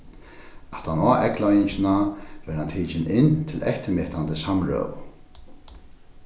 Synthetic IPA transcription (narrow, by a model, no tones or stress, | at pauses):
aht̪hanɔːʔɛklɔjnɪɲt͡ʃɪnavɛɾhant̪ʰiːt͡ʃɪnʔɪnt̪ʰɪlɛht̪ɪmɪht̪ant̪əsamɹœ̰w